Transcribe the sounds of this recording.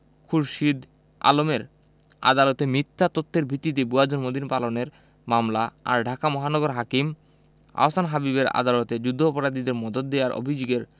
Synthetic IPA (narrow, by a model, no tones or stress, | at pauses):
kʰuɾʃid̪ | a̰lomeɾ | a̰d̪alot̪emit̪ʰːat̪ot̪ʰːeɾbʱit̪ːit̪̬ebuad͡ʑonmod̪inpaloneɾ | mamlaa̰ɾɖʱakamɔɦanɔɡoɾɦakim | a̰osanɦabiβeɾa̰d̪alot̪ed͡ʑud̪ʱːoːpoɾad̪id̪eɾmɔd̪ot̪̚d̪ejaɾo̰bʱid͡ʑoɡeɾ